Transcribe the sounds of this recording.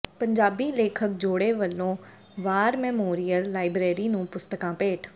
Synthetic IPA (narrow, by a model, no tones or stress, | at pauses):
pəɲd͡ʒaːbiːleːkʰək̚d͡ʒoːɽeːʋəlːõː | ʋaːɾmɛːmoːɾɪjəlːaːɪbɾeːɾiːnũːpʊst̪əkãːpeːʈʰ